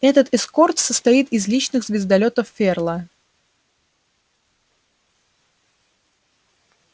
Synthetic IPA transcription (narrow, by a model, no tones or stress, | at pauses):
ɛt̪ət̪ɪsko̞rt̪səst̪ɐit̪ɪzlʲit͡ɕnɨɣzvʲɪzd̪ɐlʲo̞t̪əfːʲerlˠə